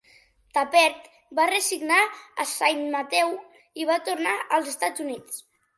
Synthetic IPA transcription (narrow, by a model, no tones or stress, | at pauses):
t̪apɛɾt̪ | barəsiɡnaəsajmmat̪ɛw | iβat̪uɾnaʔəlˠzəst̪ad͡zunit͡s